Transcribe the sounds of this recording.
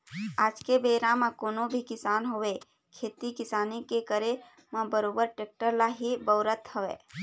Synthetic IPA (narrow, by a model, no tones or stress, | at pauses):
aːd͡ʒkebeːɾãmãkoːnobʱikɪsaːnɦoʋe | kʰeːt̪ikɪsaːnikekəɾe | mãbəɾoːbəɾʈeːk̚ʈəɾlaɦibəːɾət̪həʋḛː